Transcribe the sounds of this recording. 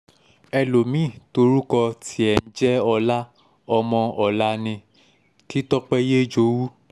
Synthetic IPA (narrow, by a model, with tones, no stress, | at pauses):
ɛ˧lo˨mĩ˦˨to˧ɾu˦kɔ˧tʰi˦ɛ˨n̩˦d͡ʒɛ˦ɔ˧la˦ | ɔ˧mɔ̃˧ɔ˨la˦nĩ˧ | ki˦tɔ˦k͡pɛ˦je˦d͡ʒo˧˦wu˦